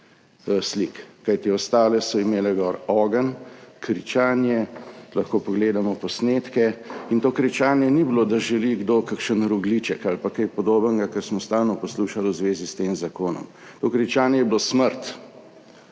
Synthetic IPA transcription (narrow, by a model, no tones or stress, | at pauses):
slikkajt̪iɔst̪aːlɛsɔimeːlɛɡɔːɾɔːɡənkɾit͡ʃaːnjɛlaxkoːpɔɡleːd̪amɔpɔsneːt̪kɛint̪oːkɾit͡ʃaːnjɛnibloːd̪aʒɛliɡd̪oːkakʃənɾuɡlit͡ʃəkalpakɛjpɔd̪oːbəŋɡakəɾsmɔst̪aːlnɔpɔsluːʃaluzʋeːzist̪eːmzakoːnɔ̰m | t̪okɾit͡ʃaːnjɛjɛbilosməɾt̪